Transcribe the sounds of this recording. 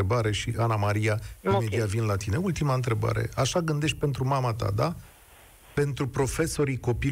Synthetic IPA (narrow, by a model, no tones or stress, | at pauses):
ebaɾe̞ʃiʔanamaɾijaimed̪iat̪vinlat̪ine̞ult̪imaɨnt̪ɾe̞ba̰ɾe̞̰aʃaɡɨnd̪e̞ʃt̪̚ʲpe̞nt̪ɾumamat̪a̰d̪a | pe̞nt̪ɾupɾo̞fe̞so̞ɾiko̞pi